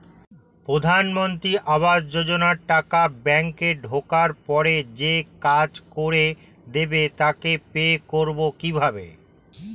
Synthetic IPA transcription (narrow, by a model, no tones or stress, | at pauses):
pɾod̪ʱanmont̪ɾiʔabad͡ʑd͡ʑod͡ʑonaɾʈakabɛŋkeɖʱokaɾpɔɾed͡ʑekad͡ʑkoɾe | d̪ebet̪akepekoɾbokibʱabe